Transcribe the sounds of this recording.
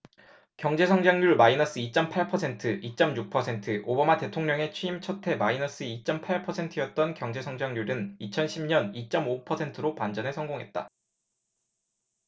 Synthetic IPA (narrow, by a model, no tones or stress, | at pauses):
kjʌŋd͡ʑe̞sʰʌŋd͡ʑaŋjuɭmainʌs͈ɯit͡ɕ͈ʌmpʰaɭpʰʌsʰe̞ntʰɯʔit͡ɕ͈ʌmjuk̚pʰʌsʰe̞ntʰɯʔobamate̞tʰoŋɲʌŋe̞t͡ɕʰɥiimt͡ɕʰʌtʰe̞mainʌs͈ɯit͡ɕ͈ʌmpʰaɭpʰʌsʰe̞ntʰɯjʌt̚t͈ʌnkjʌŋd͡ʑe̞sʰʌŋd͡ʑaŋjuɾɯnit͡ɕʰʌnɕʰimɲʌnit͡ɕ͈ʌmopʰʌsʰe̞ntʰɯɾopand͡ʑʌnesʰʌŋɡoŋɦe̞t̚t͈a̰